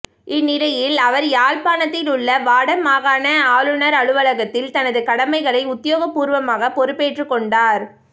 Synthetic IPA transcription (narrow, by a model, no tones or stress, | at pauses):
ɪnːɪɾɐjɪlɐʋɐɾjaːlpaːnɐt̪ːɪlʊɭːɐʋaːɽɐmaːɣaːnɐaːlɯnɐɾɐɻɯʋɐlɐɣɐt̪ːɪlt̪ɐnɐðɯkɐɽɐmɐɪɣɐɭɐɪʊt̪ːɪjoːɣɐpːuːɾʋɐmaːɣɐpɔɾɯpːeːʈrɯkːɔɳɖaːɾ